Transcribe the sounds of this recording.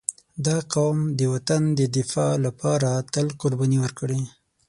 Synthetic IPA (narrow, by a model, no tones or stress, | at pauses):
d̪ɑqawmd̪əwat̪and̪əd̪ɪfɑlapɑɾat̪əlqʊɾbɑniwəɾkɽe